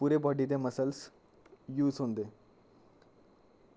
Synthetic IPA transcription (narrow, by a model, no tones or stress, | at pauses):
puɾebɔɖit̪̬jaməsəls | juːzɦond̪e